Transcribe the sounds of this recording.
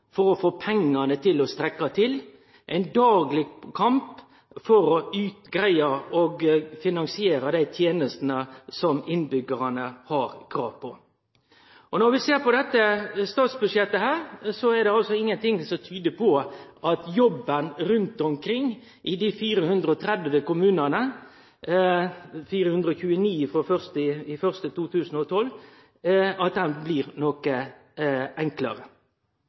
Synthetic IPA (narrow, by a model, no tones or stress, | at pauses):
fɔɾɔfoːpʰɛŋːɑnət̪ʰɪlɔst̪ɾɛkːɑt̪ʰɪl | ʔɛɪnd̪ɑːɡlɪkʰɑmp | fɔɾɔʉːt̪ɡɾæɪɑɔɡfɪnɑŋsɪeːɾɑd̪æɪt̪ʰjeːnəst̪nəsɔmɪnbʏɡəɾɑnəhɑɾkʰɾɑ̰ːʋpʰɔ | ʔɔnɔɾʋɪseːɾpɔd̪ɛt̪ːəst̪ɑːt̪sbʉd̪ʂjɛt̪ːəhæːɾsɔɛɾd̪ɛɑlsɔɪŋːənt̪ɪŋsɔmt̪ʰyːd̪əpʰɔʔɑt̪jɔbːənɾʉnt̪ɔmkʰɾɪŋː | ʔɪd̪ɪfiːɾəhʉnd̪ɾəɔt̪ʰɾɛd̪ʋəkʊmʉːnənə | fiːɾəhʉnd̪ɾəɔçʉːəniːfɾɔfœʁst̪ɪɪfœʁst̪ət̪uːt̪ʰʉːsn̩ɔt̪ʰɔl | ɑt̪̚d̪ɛnblɪːʁnokə | ʔɛŋklə̰ɾə